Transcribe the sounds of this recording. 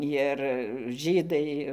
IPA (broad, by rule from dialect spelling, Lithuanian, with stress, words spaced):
jɪr ˈʒʲiːdɐɪ